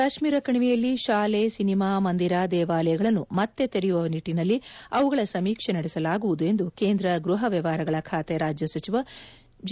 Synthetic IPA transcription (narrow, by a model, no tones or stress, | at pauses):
aʃmiːɾɐkɐɳiʋijɐlːiʃaːlesinimaːmɐnd̪iɾaːd̪ɛːʋaːlɐjɐɡɐɭɐnːumɐt̪ːe̞t̪eɾɛjuʋɐʋɐniʈːinɐlːiɐʋuɡɐɭɐsɐmiːkʂenɐɽɛsɐlaːɡuʋud̪ue̞nd̪uke̞ːnd̪ɾɐɡɾuɦɐʋjɐʋaːɾɐɡɐɭɐkʰaːt̪eɾaːd͡ʒjɐsɐt͡ʃiʋɐ | d͡ʒ